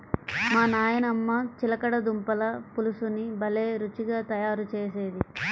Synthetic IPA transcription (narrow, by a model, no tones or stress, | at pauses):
maːnaːjɐnɐmːɐt͡ʃilɐkɐɽɐd̪umpɐlɐpulusunibɐleːɾut͡ʃiɡaːt̪ɐjaːɾut͡ʃeːse̞ːd̪i